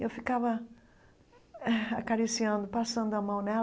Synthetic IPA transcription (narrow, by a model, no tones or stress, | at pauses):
ewfikavɐ | ɛakaɾisiɐ̃nd̪ʊpasɐ̃nd̪ʊɐmɐ̃w̃nɛ